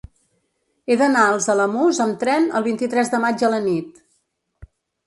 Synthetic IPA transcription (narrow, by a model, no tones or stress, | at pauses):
eðənaəlˠzələmuzəmt̪ɾɛnə̰lˠβint̪it̪ɾɛzðəmad͡ʒələnit̪̚